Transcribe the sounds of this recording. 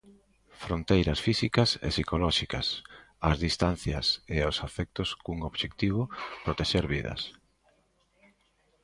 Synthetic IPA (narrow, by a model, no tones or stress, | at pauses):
fɾont̪ejɾɐsfisikɐsḛsikolɔʃikɐs | ɐzðist̪an̟θjɐseosafɛk̚t̪oskuŋoβʃek̚t̪iβ̞ʊpɾot̪eʃeɾβiðɐ̰s